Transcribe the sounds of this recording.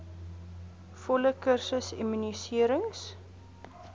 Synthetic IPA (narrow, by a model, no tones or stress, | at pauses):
fɔləkərsəsimynisiəɾəŋs